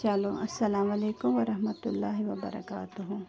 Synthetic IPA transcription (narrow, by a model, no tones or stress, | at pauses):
t͡ʃaloʔɐsːɐlaːmɐleːkʊmʋɐɾɐɦmɐt̪ʊlːaːɦiʋɐbɐ̰ɾɐ̰kaːt̪ʊɦʊ